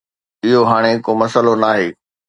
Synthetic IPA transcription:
ɪɦoɦaːɽ̃ekoːmɐsəlonaːɦeː

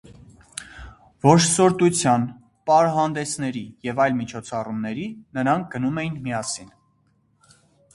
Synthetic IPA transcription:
vɔɾsɔɾt̪ut͡sʰjɑn | pɑɾɦɑnd̪ɛsʰn̪ɛɾijɛvɑjlmit͡ʃʰɔt͡sʰɑrumnɛɾinəɾɑŋk̚ʰɡ̥ənumɛjinmijɑsin

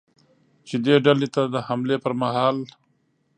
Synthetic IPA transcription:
t͡ʃed̪eɖalet̪ad̪əhamlepəɾmaɦɑːl

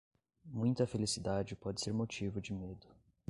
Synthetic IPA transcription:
mũj̃t̪ɐfelisid̪ad͡ʒɪpɔd͡ʒɪseɾmot͡ʃivʊd͡ʒɪmed̪ʊ

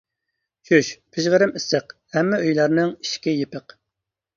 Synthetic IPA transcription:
ʃyʃpʰɪʒʁəɾɪmɪsəqhɛmːɪøjlˠɑɾnɨŋiʃkʲijepəq

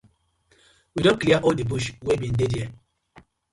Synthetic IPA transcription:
widõnkliaʔɔldebuʃwebĩndediɛ

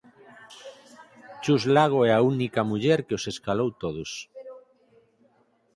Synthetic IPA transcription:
t͡ʃuzlaɣ̞oɛaunikamuʎɛɾkeoseskalowt̪oðos

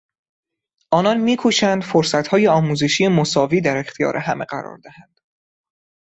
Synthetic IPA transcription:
ʔɒːnɒnmiːkʰuʃænd̪̥foɾsæt̪hɒːjeɒːmuːze̞ʃiːje̞mosɒːviːd̪æɾe̞xt̪ʰijɒ̰ːɾʔe̞ɦæme̞ɢæ̰ɾɒ̰ːɾd̪æhænd̪̥

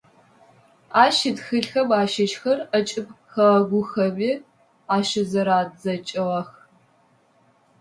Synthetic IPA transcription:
aːʃɪdxɨɬxɐbaːʃɐʃxɐrɐt͡ʃʼɪp̚xɐʁɐɡʷʊxɐbiː | aːʃɪzɐɾaːdzɐt͡ʃʼɪʁɐx

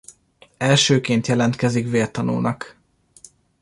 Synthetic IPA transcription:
ɛlʃøːkeːnt̪jɛlɛnt̪kɛzikveːrt̪ɒno̰ːnɒk

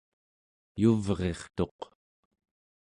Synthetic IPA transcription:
juvʁe̞χt̪o̞q

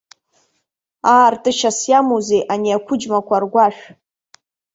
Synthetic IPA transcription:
aːrtʼɨʃasjamozejʔaniakʷʰʊd͡ʒmakʷʰarɡʷaʃ

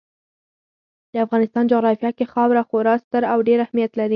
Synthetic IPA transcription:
d̪̥əafɣɑnɪst̪ɑnd͡ʒoɣɾɑfjɑkexɑwɾaxoɾɑst̪əɾawɖeɾahmijat̪laɾi

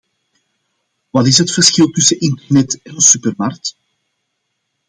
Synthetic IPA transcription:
ʋɑtɪsɦətfərsxɪlˠtɵsənɪntɛrnɛtɛnəsypərmark̚t

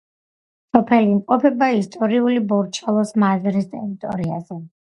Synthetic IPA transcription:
sɔpʰɛliːmqʼɔpʰɛbaist̪ʼɔɾiulibɔɾt͡ʃʰalˠɔsmazɾist̪ʼɛɾit̪ʼɔɾia̰z̥ɛ

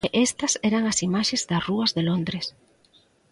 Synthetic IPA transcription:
ʔest̪ɐsɛɾɐŋɐsimaʃezðɐsruɐzðelond̪ɾes

